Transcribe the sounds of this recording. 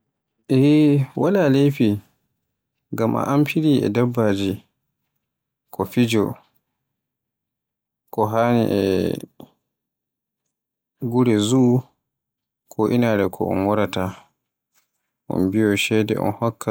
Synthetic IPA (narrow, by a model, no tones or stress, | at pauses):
ʔɛwalalejfi | ɡamʔa̰ʔampiɾiʔɛ̰dabːad͡ʒi | kʰɔfid͡ʒɔ̰ | kɔɦaːnḭʔɛ̰ | ɡuɾɛzu | kʰɔʔinaɾɛkʰɔ̰ʔɔ̰nwɔɾata | ʔɔ̰nbijɔʃɛdɛ̰ʔɔ̰nhɔkːa